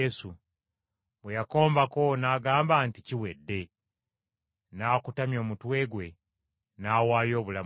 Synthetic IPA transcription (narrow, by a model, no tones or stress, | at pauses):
esu | βwejako̞ːmbako̞naːɡaːmbaːnticiwedːe̞ | naːkutamjo̞ːmutwe̞ːɡwe̞ | naːwaːjo̞ːβula